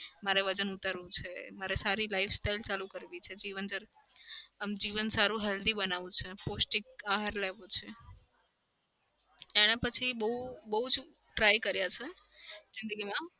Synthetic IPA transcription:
maɾeʋəd͡ʒənut̪əɾʋũt͡ʃʰemaɾesaɾilaifsʈailt͡ʃalũkəɾʋit͡ʃʰed͡ʒiʋənd͡ʒəɾ | əmd͡ʒiʋənsaɾũɦəld̪ibənaʋũt͡ʃʰeposʈik̚aɦaɾleʋot͡ʃʰe | eɽ̃ẽpət͡ʃʰibəɦubəɦud͡ʒ | ʈɾaikəɾjat͡ʃʰe | zɪnd̪əɡimã

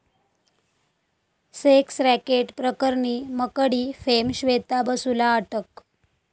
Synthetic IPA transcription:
seksɾækeʈpɾəkəɾɳiːməkəɽiːfemɕʋet̪abəsulaːʈək

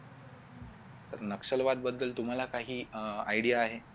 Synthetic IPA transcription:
t̪əɾnəkʂəlʋad̪̚bəd̪ːəlt̪um̤alakaɦiːajɽijaːɦe

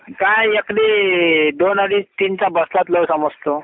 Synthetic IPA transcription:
kajekɽiɖ̪onəɽiːt̪int͡sabəslat̪ləwsəməd͡zt̪o

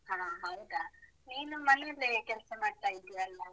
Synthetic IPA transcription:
haːɦɐwd̪a | niːnumɐneɐlːekɛlsɐmaːɽt̪aːjid̪ijaɐlːɐ

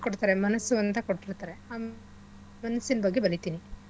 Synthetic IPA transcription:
koɽt̪aːɾemɐnɐsːuɐnt̪ɐkoɽʈːiɾt̪aːɾe̞aː | mɐnɐsːinɐbɐɡːebɐɾit̪iːni

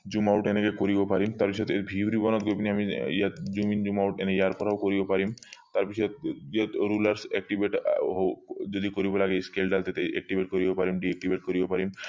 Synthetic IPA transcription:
d͡ʑumawʈenekekoɾibopaɾimt̪aɾpiʃʰɔt̪ebʱibɾibɔnot̪̚ɡopniamiijad͡ʑumind͡ʑumawʈenejaɾpɔɾawkoɾibopaɾimt̪aɾpit͡ʃʰɔt̪iaɾulaɾsɛk̚ʈibeʈɦod͡ʒod̪ikoɾibolaɡeskelɖalt̪et̪eɛ̰k̚ʈibʱeʈkoɾibopaɾimɖiek̚ʈibʱeʈ̚koɾibopaɾim

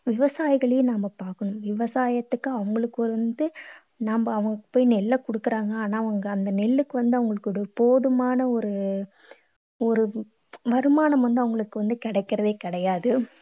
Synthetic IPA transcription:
ʋɪʋɐsaːjɣɐɭejnaːmɐpaːɾkɐnɯmʋɪʋɐsaːjɐt̪ːɯkːaɐʋɐŋɡɐɭɯkːɯɔɾɐnd̪ɯ | naːmbɐːʋɐŋɡɐkːɯ̥pːoːjnɛlːɐkɔɽɯkːɯɾaːŋɡɐaːnaːɐʋɐŋɡɐːnd̪ɐnɪɭːɯkːɯʋɐnd̪ɯɐʋɐŋɡɐɭɯkːɯɔɽɯpoːðɯmaːnɐɔɾɯ | ɔɾɯ | ʋɐɾɯmaːnɐmʋɐnd̪ɯɐʋɐŋɡɐɭɯkːɯʋɐnd̪ɯkɪɽɐɪkːɪɾɐðeːkɪɽɐjaːðɯ

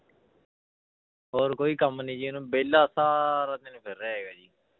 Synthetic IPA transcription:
ɦoːɾkoːiːkəmnĩːd͡ʒinũːbeːlːaːsaːɾaːd̪eːnũːpʰɪɾɛːɦeːɡaːd͡ʒiː

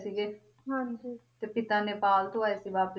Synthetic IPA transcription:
siːɡeː | ɦãd͡ʒiːt̪eːpɪt̪ãːneːpaːlt̪oaːesiːbaːp

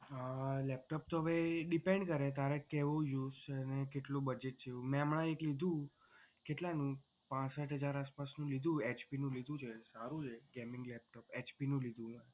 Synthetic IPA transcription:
lɛp̚ʈɔp̚t̪oɦəʋeɖipeɳɖkəɾet̪aɾekeʋojust͡ʃʰeənekeʈlubəd͡ʒeʈ̚t͡ʃʰeũmɛ̃amɭãeklid̪ʱũ | keʈlãnũ | pãsəʈɦəd͡ʒaɾaspasnũlid̪ʱũet͡ʃpinũlid̪ʱũt͡ʃʰesaɾũd͡ʒeɡɛmɪŋɡlɛp̚ʈopet͡ʃpinũlid̪ʱũə

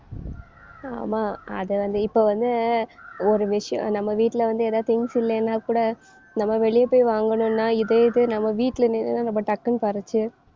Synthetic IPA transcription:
a̰ːmaːɐ̰ðɯʋɐnd̪ɯɪpːoːʋɐnd̪ɯ | ɔɾɯʋɪʂɐjɔ̰̃nɐmːɐʋiːʈːɪlɐʋɐnd̪ɯeːðaːðt̪ɪŋɡsɪlːɐnːaːkuːɽɐ | nɐmːɐʋɛɭɪjepoːjʋaːŋɡɐɳʊ̃nːaːɪðɛɪðɯnɐmːɐʋiːʈːɪlɐnenɯnãːɾɔmbːɐʈɐkːɐnɯpɐɾɯt͡ʃːɯ

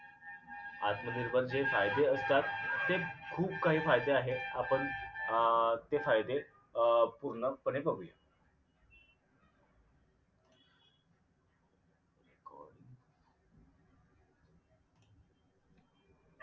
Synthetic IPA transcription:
a̰t̪məd̪iɾbəɾd͡ʑefajd̪eəst̪at̪ːekʰuːpkaɦiːfajd̪eaɦeapəɳ | t̪efajd̪e | puɾɳəpəɳ̃epəɡja̰ | ko̰l

